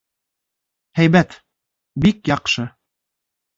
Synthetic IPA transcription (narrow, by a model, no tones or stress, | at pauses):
hæjbæt̪ | bikjɑqʃɤ